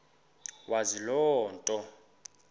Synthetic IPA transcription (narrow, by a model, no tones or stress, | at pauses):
wazilɔːntʼɔ